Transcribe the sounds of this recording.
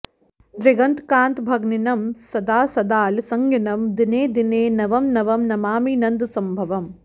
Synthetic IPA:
d̪ɾɪɡɐnt̪kãːnt̪bʱɐɡninɐmsɐd̪aːsɐd̪aːlsɐŋɡinɐmd̪ineːd̪ineːnɐʋɐmnɐʋɐmnɐmaːmiːnɐnd̪sɐmbʱɐʋɐm

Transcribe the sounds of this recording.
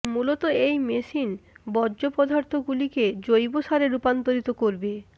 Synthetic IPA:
mulot̪oejmeʃinbɔːʑopɔd̪ʱaɾt̪ʰoɡuliked͡ʑojboʃaɾeɾupant̪oɾit̪okoɾbe

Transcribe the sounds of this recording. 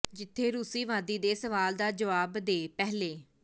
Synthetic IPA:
d͡ʒɪt̪ʰːeːɾuːsiːʋãːd̪iːd̪eːsəʋaːld̪aːd͡ʒəʋaːbd̪eːpɛɦleː

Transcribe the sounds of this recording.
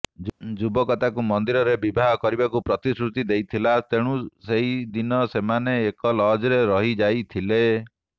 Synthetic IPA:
d͡ʒubɔkɔt̪akumɔnd̪iɾɔɾebibʱaɦɔkɔɾibakupɾɔt̪isɾut̪id̪ejt̪ʰilat̪eɽ̃ũseɦid̪inɔsemaneːkɔlɔd͡ʒɾeɾɔɦid͡ʒajt̪ʰile

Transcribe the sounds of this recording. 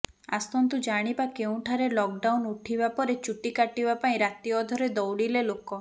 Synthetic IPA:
a̰st̪ɔnt̪ud͡ʒaɽ̃ibakeũʈʰaɾelɔk̚ɖawnuʈʰibapɔɾet͡ʃuʈikaʈibapaĩɾat̪iɔd̪ʱɔɾed̪ɔwɽilelokɔ

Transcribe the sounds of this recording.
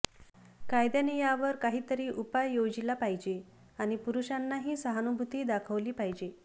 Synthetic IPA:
kajd̪janejaʋəɾkaɦiːt̪əɾiːʔupajjod͡ʑilapaɦjd͡ʑe | añipuɾuɕanːaɦiːsəɦanubʱut̪iːd̪akʰəʋliːpaɦjd͡ʑe

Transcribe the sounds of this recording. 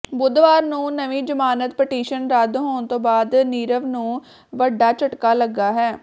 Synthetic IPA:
bʊd̪ʋaːɾnũːnəʋiːd͡ʒəmaːnət̪pɪʈiːʃənɾəd̪ɦoːɳt̪õːbaːd̪niːɾəʋnũː | ʋəɖːaːt͡ʃəʈkaːləɡːaːɦɛː

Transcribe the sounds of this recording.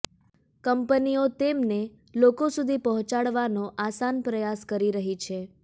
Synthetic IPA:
kəmpəniot̪emne | lokosud̪ʱipəɦɔ̃t͡ʃaɭʋanoʔasanpɾəjaskəɾiɾəɦit͡ʃʰe

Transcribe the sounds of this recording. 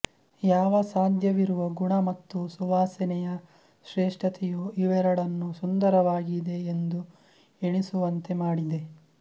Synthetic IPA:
jaːʋɐsaːd̪ʱjɐʋiɾuʋɐɡuɳɐmɐt̪ːusuʋaːsɛnɛjɐ | ʃɾeːʂʈʰɐt̪ʰɛjuiʋɛɾɐɽɐnːusund̪ɐɾɐʋaːɡid̪e̞ːnd̪u | eɳisuʋɐnt̪e̞maːɽid̪e̞

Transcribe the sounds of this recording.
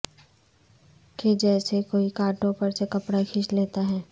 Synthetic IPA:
ked͡ʒɛːsekoːikaːʈõpɐɾsekɐpɽakʰɪʃleːt̪aɦɛː

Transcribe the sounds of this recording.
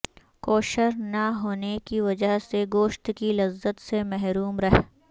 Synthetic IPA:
koːʃəɾnɐɦoːnekiʋɐd͡ʒəɦseɡoːʃt̪kilɐzːət̪semɛɦɾuːmɾɐɦ

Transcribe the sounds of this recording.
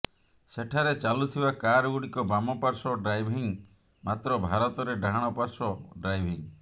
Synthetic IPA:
seʈʰaɾet͡ʃalut̪ʰibakaɾɔɡuɽikɔbamɔpaɾsɔɖɾajbʱiŋ | mat̪ɾɔbʱaɾɔt̪ɔɾeɖaɽ̃ɔpaɾsɔɖɾajbʱiŋ

